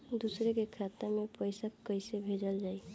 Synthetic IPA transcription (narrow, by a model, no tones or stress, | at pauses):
d̪usɾekekʰat̪amepəjsakːəjsebʱed͡ʒəld͡ʒaːi